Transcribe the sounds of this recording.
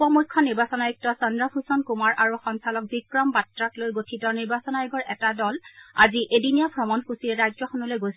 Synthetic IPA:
pɔmukʰːɔniɹbasɔnajuk̚tɔsɔndɹapʰusɔnkumaɹʔaɹuxɔŋsalɔk̚bikɹɔmbatɹaklojɡotʰitɔniɹbasɔnajɔɡɔɹʔɛtadɔla̰ziʔedinijabʰʱɹɔmɔnxusiɛɹazɔxɔnɔlojɡos

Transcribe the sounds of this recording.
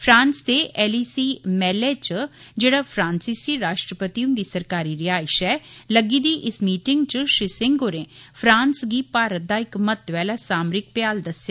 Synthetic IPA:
pʰɾãːnsd̪eːʔɛːliːsiːmɛːleːt͡ʃd͡ʒeːɽaːpʰɾãːnsɪsiːɾaːʃʈɾəpət̪iːʊ̃nd̪iːsəɾkaːɾiːɾɪjaːɪʃɛːləɡiːd̪iːʔɪsmiːʈɪŋɡt͡ʃʃɾɪsɪ̃ŋɡoːɾẽːpʰɾãːnsɡiːpaːɾət̪̚d̪aːɪkmət̪ʋɛːlaːsaːmɾɪk̚pɪjaːld̪əseː

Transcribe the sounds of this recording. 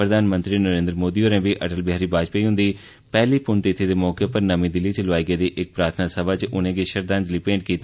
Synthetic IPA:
pɾəd̪aːnmə̃nt̪ɾiːnəɾẽːnd̪ɾəmoːd̪iːoːɾɛ̃ːbiːʔəʈəlbɪɦaːɾiːbaːd͡ʒpeiːɦʊ̃nd̪iː | pɛːliːpʊnt̪ɪt̪ʰːeːd̪eːmɔːkepəɾnəmĩːd̪ɪliːt͡ʃəlʋaːiːɡeːd̪iːʔɪk̚pɾaːt̪ʰnaːsəbaːt͡ʃʔʊnẽːɡeːʃəɾd̪and͡ʒliːpẽːɳʈ̚kiːt̪ː

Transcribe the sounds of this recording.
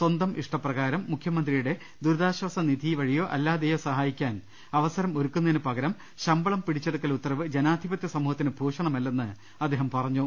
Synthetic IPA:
swɐnd̪ɐmʔiʂʈɐprɐɣaːɾɐmːukʰjɐmɐnd̪rijuɽe̞ | d̪uɾðaːɕwɐːsɐnid̪ʱiʋɐɻijo̞ːʔɐ̰lːaːd̪ejo̞ːsɐɦaːjikʲːaːn | ɐʋɐsɐɾɐmoɾukːunːɐðinɨpɐɣɐɾɐm | ɕɐmbɐɭɐmpiɽit͡ɕːeɽukːɐlut̪ːɐrɐʋɨd͡ʑenaːd̪ʱibɐt̪jɐsɐmuːhɐt̪ːinɨbʱoːʂɐɳɐmɐlːenːɨ | ɐd̪ːeːɦɐmpɐrɐɲːo

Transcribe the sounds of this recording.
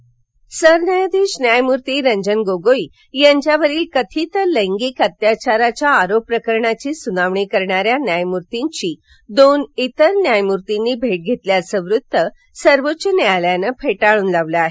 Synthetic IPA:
səɾnajd̪iɕnjajmuɾt̪iːɾəɲd͡ʑənɡoɡoi | jaɲt͡ɕjaʋəɾiːlkət̪ʰiːt̪əɾləŋɡiːkət̪jat͡ɕaɾat͡ɕjaːɾopːɾəkəɾɳat͡ɕiːsunaʋɳikəɾɳaɾjanjajmuɾt̪iɲt͡ɕiː | d̪onit̪əɾnjajmuɾt̪inːiːbʱeʈ̚ɡʱet̪ljasə̃ʋɾut̪ːə | səɾʋotːɕənealjanəpʰeʈaɭuːnlaʋleaɦe

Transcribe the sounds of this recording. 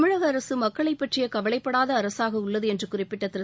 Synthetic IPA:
mɪɻɐɣɐɐɾɐsɯmɐkːɐɭɐɪpːɐʈrɪjɐkɐʋɐɭɐɪpːɐɽaːðɐːɾɐsaːɣɐʊɭːɐðɯɛndrɯkʊrɪpːɪʈːɐt̪ːɪɾɐ

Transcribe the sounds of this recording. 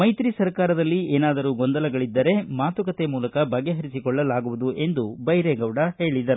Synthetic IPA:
mɐjt̪ɾisɐɾkaːɾɐd̪ɐlːieːnaːd̪ɐɾuːɡɔnd̪ɐlɐɡɐɭid̪ːɐɾe̞maːt̪ukɐt̪e̞muːlɐkɐbɐɡːe̞ɦɐɾisikɔɭːɐlaːɡuʋud̪uʔe̞nd̪ubɐjɾeɡɐʋɽɐhe̞ːɭid̪ɐɾu

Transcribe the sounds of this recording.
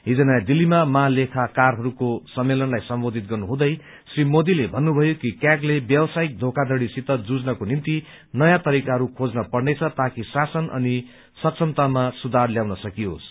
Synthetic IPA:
ɦid͡zʌnajd̪ilːimamalekʰakarɦʌɾukosʌmːelʌnlajsʌmbod̪ʱit̪̚ɡʌrnuɦũd̪ʌj | srimod̪ilebʱʌnːubʱʌjokikjaklebjʌwsaik̚d̪ʱokad̪ʌɽisit̪ʌd͡zud͡znʌkonint̪i | nʌjãt̪ʌɾikaɦʌɾukʰod͡znʌpʌɽnʌjt͡sʰʌt̪akisasʌnʌ̰ni | sʌksʰʌmt̪amasud̪ʱarljawnʌsʌkios

